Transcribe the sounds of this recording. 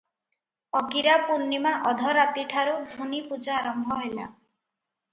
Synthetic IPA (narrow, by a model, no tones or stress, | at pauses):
ɔɡiɾapuɾnimaʔɔd̪ʱɔɾat̪iʈʰaɾud̪ʱunipud͡ʒaːɾɔmbʱɔɦojla̰